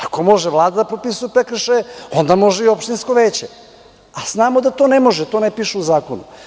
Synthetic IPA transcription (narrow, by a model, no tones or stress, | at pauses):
ako̞mo̞ʒeʋlˠaːd̪ad̪apɾo̞pisujupekɾ̩ʃeo̞nd̪amo̞ʒeiopʃt̪insko̞ʋeːt͡ɕe | az̥naːmod̪at̪onemo̞ʒɛt̪o̞ːnepiʃuuzaːko̞nṵ